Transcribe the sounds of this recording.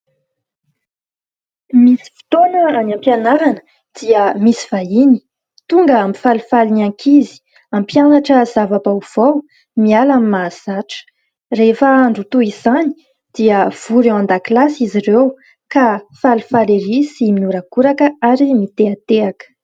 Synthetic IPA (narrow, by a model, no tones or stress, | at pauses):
misi̥fi̥t̪onəanampjanaɾanə̥ | d̪̥iəmisi̥v̥aini̥ | t̪uŋɡəamifalufalinaŋkʰizi̥ | ampjanaʈ͡ʂəzavapawuv̥aw | mialamimaz̥aʈ͡ʂə̥ | refəaɳɖ͡ʐut̪uiz̥ani̥ | d̪̥iəv̥uɾewãnd̪aklasizirew | kafalufaleɾisiminuɾaɡuɾakəaɾimit̪eat̪eakə̥